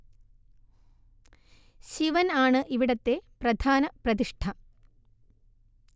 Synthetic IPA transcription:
ɕiʋɐnaːɳɨʔiʋiɽɐt̪ːe̞prɐd̪ʱaːnɐprɐt̪iʂʈʰɐ

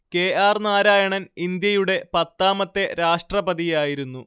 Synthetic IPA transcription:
ke̞ːaːrnaːɾaːjɐɳɐnind̪jɐjuɽe̞pɐt̪ːaːmɐt̪ːe̞ɾaːʂʈrɐbɐðijaːjiɾunːu

